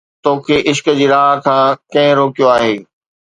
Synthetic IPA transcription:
t̪oːkʰeːʔɪʃkəd͡ʑiːɾaːɦkʰãːkɐ̃ɦɪ̃ɾoːkijoaːɦeː

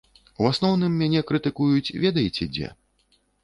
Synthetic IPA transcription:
wasnɔwnɨmːʲanʲɛkɾɨt̪ɨkujut͡sʲvʲɛd̪ɐjit͡sʲɛd͡zʲɛ̰

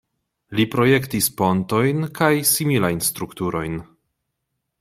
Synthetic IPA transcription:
lipɾo̞je̞ktispo̞nto̞jnkajsimilajnst̪ɾuktuɾo̞jn

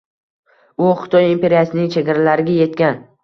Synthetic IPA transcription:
ʊχɪt̪ʰɒjimpe̞ɾijasɪnɪŋt͡ʃʰe̞ɡʲaɾalaɾɪɡʲaje̞t̪̚kʲan

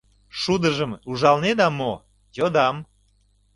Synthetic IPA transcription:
ʃud̪əʒəmuʒɑlned̪ɑmo | jod̪ɑm

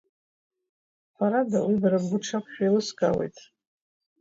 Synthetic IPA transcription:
ħʷaɾadawibaɾabɡʷʊʈ͡ʂʰapʷʰʃᶣajlɨskʼawḛjtʼ

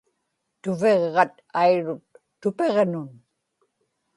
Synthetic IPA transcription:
t̪ʊve̞ʁːɑt̪ | ajɻʊt̪ː | ʊpe̞ʁnʊn

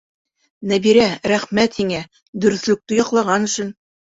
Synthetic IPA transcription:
næbiɾæɾæχmæt̪hiŋæ | d̪ɵ̆ɾɵ̆θlɵ̆k̚t̪ɘjɒqlˠɑʁɑnɵ̆ʃɘn

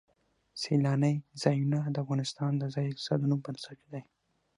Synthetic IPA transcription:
selɑnəjzɑjunad̪əafɣɑnɪst̪ɑnd̪əzɑjɪkt̪ɪ̥sɑ̰d̪ənumpənsaked̪aj

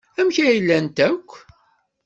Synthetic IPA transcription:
æmçæjəlːænt̪ækʷː

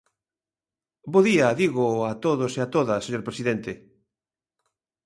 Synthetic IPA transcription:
boðiaðiɣoat̪oðoseat̪oðɐseɲoɾpɾesiðent̪e

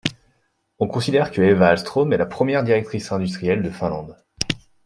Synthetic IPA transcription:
ɔ̃kɔ̃sid̪ɛʁkəɛvaːlst̪χomɛlapχəmjɛʁd̪iʁɛk̚t̪χisɛ̃d̪yst̪χijɛld̪əfɛ̃lɑ̃d̪

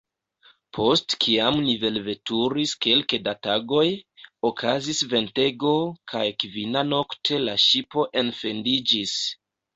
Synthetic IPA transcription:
pʰo̞stkʰiamnive̞lve̞tuɾiske̞lkedataɡo̞jokʰazisve̞nte̞ɡo̞kʰajkvinano̞ktʰe̞laʃipo̞ʔe̞nfe̞ndid͡ʒis

